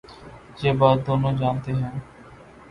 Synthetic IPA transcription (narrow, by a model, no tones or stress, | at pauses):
d͡ʒeːbaːd̪̚ːoːnõːd͡ʒaːnt̪eːɦɛ̃ː